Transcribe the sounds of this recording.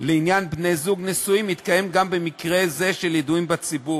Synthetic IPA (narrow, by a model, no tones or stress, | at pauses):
leinjanbne̞jzuɡnesuimit̪kaje̞mɡambemikʁe̞ze̞ʃeljed̪uimbat͡sibu